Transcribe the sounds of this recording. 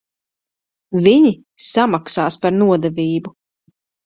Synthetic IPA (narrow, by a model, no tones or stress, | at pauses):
viɲi | samaksaːspaɾnuɔd̪ɛviːbu